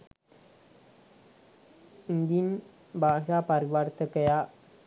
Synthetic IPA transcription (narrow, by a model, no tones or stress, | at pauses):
ind̪in | bʱaʂapəɾiʋaɾt̪əkəja